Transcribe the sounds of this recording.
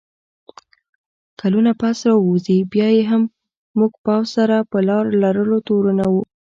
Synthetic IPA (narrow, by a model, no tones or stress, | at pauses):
kalunapasɾɑuzibjɑjeɦamː | uɡpɑwzsaɾapəlɑɾlaɾəlot̪oɾunawu